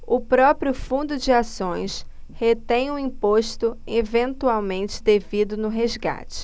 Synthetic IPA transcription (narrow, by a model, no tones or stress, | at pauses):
ʊpɾɔpɾjʊfũnd̪ʊd͡ʒɪasõj̃shet̪ẽj̃ũĩpoʃt̪ʊevẽnt̪uawmẽnt͡ʃɪ̥d̪evid̪ʊnʊɦezɡa̰t͡ʃɪ̥